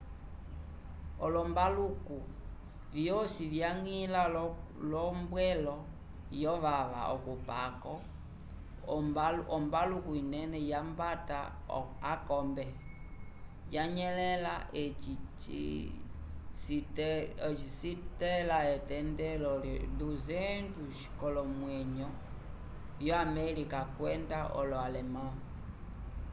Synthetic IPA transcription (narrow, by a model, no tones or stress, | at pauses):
ɔlɔmbaluku | vjɔsivjaŋila | lɔmbwɛlɔ | jɔʋaʋa̰ʔɔkupakɔ | ɔmbalukuinɛnɛjambata̰ | akɔmbɛ | jaɲɛlɛlaɛt͡ʃit͡ʃḭ | sitt͡ʃisitɛlaɛtɛndɛlɔnduzɛnduʃi̥kɔlɔmwɛɲɔ | jɔamɛlikakwɛndaʔɔ̰lɔalɛma